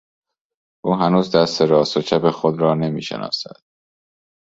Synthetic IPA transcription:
ʔuːɦænuːzd̪æst̪e̞ɾɒːst̪ot͡ʃʰæpexod̪ɾɒːne̞miːʃḛnʔɒ̰ːsæ̰d̪̥

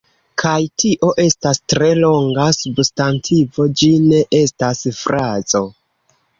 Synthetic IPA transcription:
kʰajtʰiʔo̞ʔe̞stastɾe̞lo̞ŋɡasubstantʰivo̞d͡ʒine̞ʔe̞stasfɾazo̞

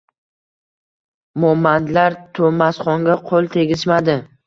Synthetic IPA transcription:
mɒmːand̪laɾt̪ʰomasχɒŋɡʲaqʰolˠt̪ʰe̞ɡʲɪʃmad̪ɪ

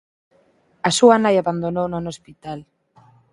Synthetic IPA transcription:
asuanajaβand̪onownonospit̪al

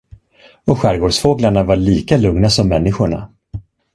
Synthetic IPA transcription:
ɔɧæɾɡoːɖʂfoːɡlaɳavaɭiːkalɵŋnasɔmːɛnːɪɧʊɳa̰

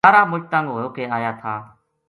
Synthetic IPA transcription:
aːɾaːmʊt͡ʃt̪ãːŋɡoɦːjoːkeːaːjaːt̪ʰaː

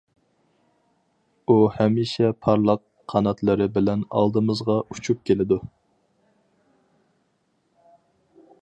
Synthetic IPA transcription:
uhɛmiʃɛpʰɑɾlˠəqʰɑnɑt̪lˠəɾɨbɪlɛnɑ̰lˠd̪ɨmɨzʁɑʔut͡ʃʰup̚kʲelɪd̪u

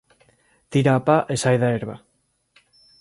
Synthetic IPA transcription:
t̪iɾaːpaʔesajðaeɾβa

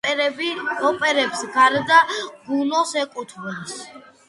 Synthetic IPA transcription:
ɔpʼɛɾɛbsɡaɾd̪aɡunɔsɛkʼut̪ʰvɛls

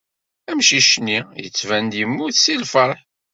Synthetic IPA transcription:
æmʃiʃnijə̰t͡sːvænd̪jəmːuθsilfəɾˤħ

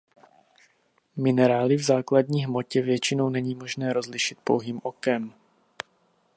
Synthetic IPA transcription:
mɪnɛɾaːlɪvzaːkladɲiːɦmo̞cɛvjɛt͡ʃɪno̞wnɛɲiːmo̞ʒnɛːɾo̞zlɪʃɪt̪̚po̞̰wɦiːmʔo̞kɛm

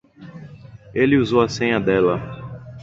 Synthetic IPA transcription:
elɪuzowɐsẽɲɐd̪ɛlɐ

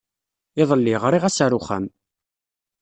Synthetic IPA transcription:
ɪðˤəlːiʁɾˤiʁæsaɾʊχæ̰m

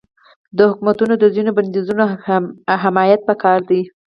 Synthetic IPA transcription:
d̪əhʊkumat̪unod̪əzinoband̪izuno | ɦɪmɑjat̪̚pəkɑɾd̪i

